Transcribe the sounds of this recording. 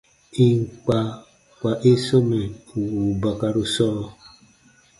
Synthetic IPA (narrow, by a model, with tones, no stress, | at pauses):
i˨ŋ˨k͡pa˨ | kʷa˨ʔe˦so˦me˨u˨u˨ba˨ka˨ɾu˨sɔ˦˨